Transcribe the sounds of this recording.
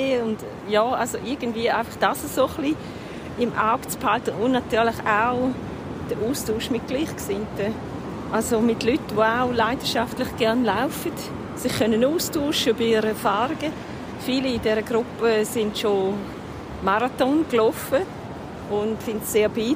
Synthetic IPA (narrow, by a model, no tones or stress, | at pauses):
eʊnd | jɔːalsoʔɪɐɡən̩dviːəaɪfɑχd̥asəsoχli | ɪmʔa̰ʊkt͡sphaltəʔʊnnatyːɐlɪχaʊ | d̥əʔuːstuːʃmɪt̚ɡ̥liːχksɪntə | ʔalzomɪtlytʋoaʊlaɪdəʃaftlɪχɡ̥ɛɐnlaʊfət | sɪχkʰœnənuːstuːʃəbɪɪɾəɛɐfaːɾiɡə | fiːliɪdɛɾəɡɾʊpəsɪntʃo | maɾatɔnklɔfə | ʊntsɪntseːɐbiː